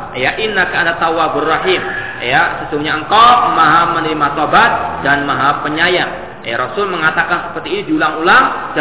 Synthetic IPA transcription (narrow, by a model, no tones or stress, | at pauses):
jaʔinːakaandat̪awabʊrːaɦim | jasəsuŋɡuɲaəŋkamaɦamənəɾimasɔbat̪̚danmaɦapəɲaja | jaɾɔsʊlməŋat̪akansə̥pərt̪iːnidiulaŋulaŋd͡ʒ